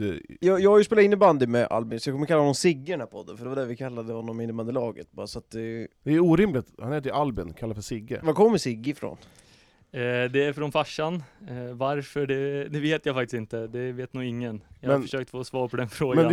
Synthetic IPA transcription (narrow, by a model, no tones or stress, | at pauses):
ɛjɑːjɑːɡhajʉspeːlaɪnːɪband̪ɪmɛʔa̰lbɪnsɔjɑkʰɔmːəkalːaɔnɔmsɪɡːəd̪ɛnæɾpʰɔd̪ːənfœɖɛvaɖ̪æɾvɪkʰalːad̪əhɔnːɔmɪnːəmand̪əlɑːɡə̰t̪̚bɑ̰ːɾasɔat̪̚d̪ɛd̪ɛːɾuːɾɪmlɪt̪hanɛt̪əɪʔalbɪnkʰalːafœʂɪɡːə̰vakʰɔmːəsɪɡːɪɪfɾo̰n | d̪ɛæɾfɾɔnfaʂːanvaɾfœɖɛd̪ɛveːt̪jafakt̪ɪ̥st̪ɪnt̪əd̪ɛveːt̪nuːɪŋːənjahmɛanfəʂøːk̚t̪foːsvɑːɾpʰɔd̪ɛnfɾoːɡmɛ